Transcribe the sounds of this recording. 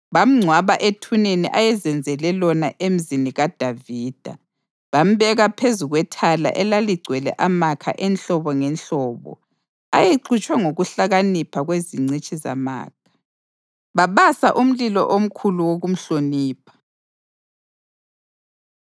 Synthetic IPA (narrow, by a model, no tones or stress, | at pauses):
βam̩ŋ͡ǀʱwaβaʔetʰuneniʔajɛzɛnd͡zʱɛlɛlɔnaʔem̩ziniɣad̥ʱaviːd̥ʱa̰ | βam̩βɛɣapʰezuɣwɛtʰala̰ʔɛlaliɡ͡ǀʱwɛlɛ̰ʔamakʰa̰ʔɛnɬɔβɔŋɛnɬɔːβɔ̰ | ajeǀut͡ʃʼwɛŋoɣuɬaɣanipʰaɣweziŋ͡ǀit͡ʃʼiza̰ma̰ːkʰḁ | βaβasaʔum̩lilɔ̰ʔom̩kʰuluwoɣum̩ɬoniːpʰḁ